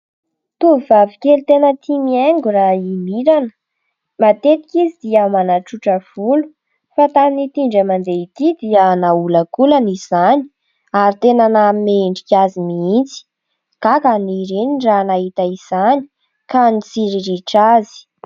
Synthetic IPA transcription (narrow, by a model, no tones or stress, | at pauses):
t̪uivavikʲelt̪enət̪ʰimieŋɡuɾaimiɾanə̥ | mat̪et̪i̥kizid̪iamanaʈ͡ʂuʈ͡ʂəv̥ulu̥ | fat̪aminit̪iɳɖ͡ʐəmand̪eit̪id̪iənaulakulaniz̥ani̥ | aɾit̪enanamimeɳɖ͡ʐikʲazimiint͡si̥ | kakaniɾeniɳɖ͡ʐanaɦit̪aiz̥ani̥ | kanit͡siɾiɾiʈ͡ʂazi̥